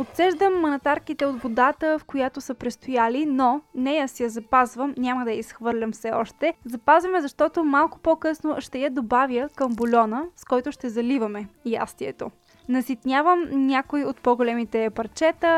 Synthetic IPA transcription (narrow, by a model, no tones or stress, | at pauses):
ot̪sɛʒd̪əmːɐnɐt̪aɾk̟it̪ɛod̪bod̪at̪əfkojat̪osəpɾɛst̪ojalinonɛjasɛjɐzɐpazvəmnʲaməd̪ɐisxvɤɾlʲɐmfsɛɔʃt̪ɛzɐpazvɐmɛzɐʃt̪ɔt̪omalˠkʊ̥pokɤsnoʃt̪ɛjɛd̪obavjəkəmbolʲɔnəskɔjt̪ʊʃt̪ɛzɐlivɐmɛja̰st̪iɛt̪o | nɐsit̪nʲjavəmnʲakoiot̪̚pɔɡolɛmit̪ɛpɐɾt͡ʃɛt̪ə